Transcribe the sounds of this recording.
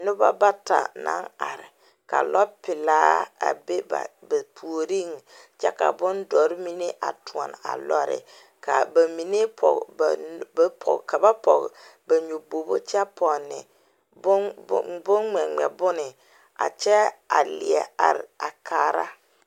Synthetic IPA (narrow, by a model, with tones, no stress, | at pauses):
nʊ˦ba̰˦ba˦ta̰˨na̰˦ŋa˨ɾɪ˨ | ka̰˨lʔɔ˦pɪ˨laː˦a̰˨be˦ba̰˨ba˨pʰu˨o˨ɾi˦ŋ˨ | t͡ʃɛ˦ka̰˨bʊ˦ndɔ˨˦ɾmi˦ne˦ʔa̰˨tu˨ɔ˨n˨a̰˨lɔ˦ɾɪ̰˨ | ka˨ba˨mi˨ne˦pʰɔ̰˨ɡbpʰɔ̰˨ka˨ba˦pɔ˨ɡba˨ɲo˨bo˨bo̰˦t͡ʃɛ˦pʰɔ˨nːɪ̰˨ | bʊ˦bʊ˦nŋ͡mɛ˨ŋ͡mɛ̰˨bʊ˦nɪ˨ | a̰˨t͡ʃɛ˦a˨lɪ˨ɛ˨a˨ɾa˨kʰaː˨ɾa˦